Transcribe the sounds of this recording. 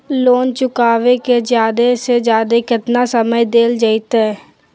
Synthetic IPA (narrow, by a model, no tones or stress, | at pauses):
loːnt͡ʃʊkaːʋeked͡ʒjaːd̪esed͡ʒjaːd̪ekɪt̪nasəməjd̪eːld͡ʒəit̪ɛː